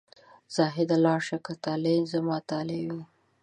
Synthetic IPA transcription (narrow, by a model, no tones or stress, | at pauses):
z̥ɑɦɪd̪alɑʃakat̪ɑlenzamɑt̪ɑlebi